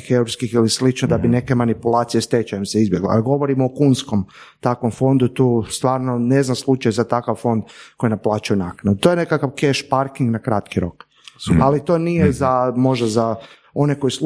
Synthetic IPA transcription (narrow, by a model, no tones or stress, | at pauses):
xeɾoskixilislit͡ʃnod̪abine̞ke̞manipulˠaːt̪sijest̪et͡ʃajemseizbje̞ɡl̰a̰ɡo̞ʋoɾimokunsko̞m | t̪akʋo̞mfo̞nd̪ut̪uːst̪ʋaːɾnone̞znamslˠut͡ʃajzat̪akaʋfo̞nd̪ko̞jinaplaːt͡ʃujunaknaut̪ojene̞kakaʋkeʃpaɾkiŋɡnakɾat̪kiɾo̞̰k | alit̪o̞ːnijezamo̞ʒd̪aza | o̞neko̞js